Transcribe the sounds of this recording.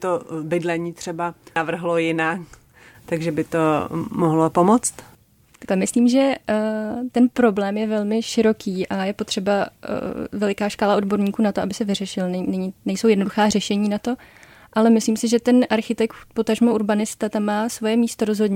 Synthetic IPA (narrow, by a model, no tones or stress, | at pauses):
t̪obɪdlɛɲiːt̪r̝̥ɛbanavr̩ɦlojɪnak | t̪aɡʒɛbɪt̪omoɦlopomot͡st̪ | t̪ḁklɛmɪsliːmʒɛ | t̪ɛnpɾo̞blɛːmjɛvɛlmɪʃɪɾo̞kʰiːʔajɛpo̞t̪r̥ɛba̰ | vɛlɪkaːʃkaːlao̞dbo̞ɾɲiːkuːnat̪oʔabɪsɛvɪrɛʃɪlnɛɲnɛɲinɛjsowjɛdnoduxaːrɛʃɛɲiːnat̪o̞ | ʔalɛmɪsliːmsɪʒɛt̪ɛnʔaɾxɪt̪ɛk̚t̪po̞t̪aʒmoʔuɾbanɪst̪at̪amːaːsvo̞jɛmiːst̪o̞ɾozɦo̞dɲɛ